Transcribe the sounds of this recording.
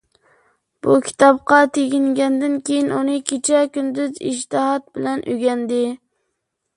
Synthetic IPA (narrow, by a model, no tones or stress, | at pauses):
b̥ukʲʰi̥t̪ʰɑp̚qɑt̪ʰeɡʲɪŋɡʲɛnd̪ɪnkʲʰejinunɨkʲʰet͡ʃʰɛkʲynd̪yzɪ̰ʃ̬t̪ɨɦɑt̪̚bɪlɛnʔyɡʲɛnd̪ɪ